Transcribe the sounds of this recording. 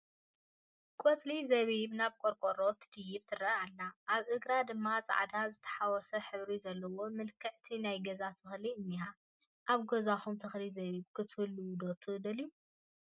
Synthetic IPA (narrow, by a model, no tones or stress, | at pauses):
kʼɔt͡sʼlizɐβiβnaβkʼoɾkʼoɾo̞t̪ʰɨ̥d̪ɨjːɪβt̪ʰɨɾɐʔalːaʔːβʔɨɡɾad̪ɨmːat͡sʼa̰ʕd̪azɨt̪ʰɐ̥ħawɔsɐħɨβɾizɐlːɐwo̞mɨlkʰɨʕt̪ʰinajɡɐzat̪ʰɨxliɨnːiha | ʔaβɡozaxumt̪ʰɨxlizɐβiβkʰɨt̪ʰhɨlːuwd̪ot̪ʰɨd̪ɐliju